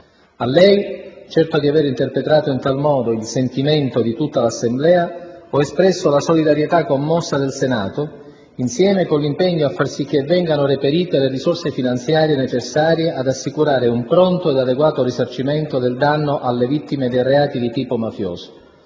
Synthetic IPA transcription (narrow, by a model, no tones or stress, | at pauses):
alːɛjt͡ʃɛrt̪od̪iaveɾint̪erpɾet̪ɾaːt̪oint̪almɔːd̪oilsent̪iment̪od̪it̪ut̪ːalasːemblɛːaɔespɾɛsːolasolid̪aɾjet̪akːomːɔsːad̪elsenaːt̪o | insjɛːmekonlimpɛɲːoafːarsik̟ːevːɛŋɡanorepeɾiːt̪elerisorsefinant̪sjaːɾijenet͡ʃesːaːɾjeʔad̪asːikuɾaːɾeumpɾɔnt̪oed̪ad̪eɡwaːt̪orisart͡ʃiment̪od̪eld̪anːoʔalːevit̪ːimed̪ejreaːt̪id̪it̪iːpomafjo̰ːzo̥